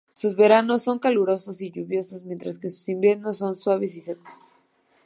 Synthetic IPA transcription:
suzβe̞ɾano̞sːo̞ŋkaluɾo̞so̞siʝuβjo̞so̞zmjent̪ɾaske̞su̥simbje̞ɾno̞sːo̞nswaβe̞s̬isek̪o̥s

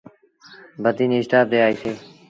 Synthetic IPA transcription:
bəd̪iːniːsʈ̪aːd̪eːaːiːsʰeː

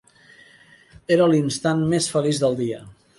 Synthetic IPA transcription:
eɾəlinst̪anmesfəlizðəlˠd̪iə

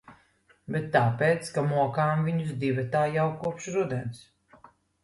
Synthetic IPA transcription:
bɛt̪ːaːpeːt̪skamuɔkaːmviɲuzd̪ivɛt̪aːjawkuɔpʃɾud̪ɛns

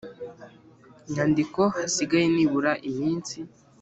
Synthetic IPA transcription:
iɲ̥handiko̞hasiɡajeniβuɾaʔimiːnsi

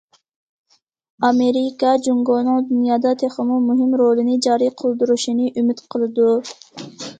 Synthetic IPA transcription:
ɑmeɾikɑd͡ʒuŋɡonɨŋd̪unjɑːd̪ɑt̪ʰeχəmumuɦɪmɾolˠɨnɨd͡ʒɑːɾijqʰəlˠd̪uɾuʃinɨʔymɪt̪qʰəlˠɨd̪u

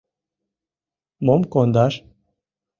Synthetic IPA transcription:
momkond̪ɑʃ

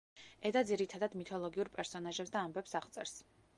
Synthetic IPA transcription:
ɛd̪ad̪ziɾit̪ʰad̪ad̪mit̪ʰɔlˠɔɡiuɾpʼɛɾsɔnaʒɛpsd̪aːmbɛpsaʁt̪sʼɛɾs

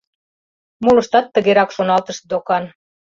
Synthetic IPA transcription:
mulɤ̆ʃt̪ɑt̪ːə̆ɣeɾɑkʃonɑlt̪ə̆ʃt̪̚d̪okɑn

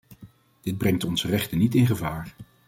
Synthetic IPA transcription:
d̥ɪd̚brɛŋtɔnzərɛχtənitɪnχəvaːɹ

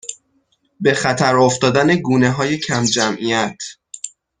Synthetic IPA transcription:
be̞xæt̪ʰæɾoft̪ɒːd̪æne̞ɡuːne̞ɦɒːje̞cʰæmd͡ʒæmʔijæt̪ʰ

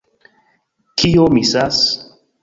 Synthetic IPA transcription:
kʰijomisas

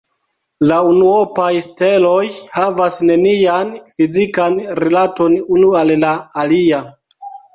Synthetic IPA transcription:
launuopajste̞lo̞jhavasne̞nianfizikanɾilato̞nunuallaːlia

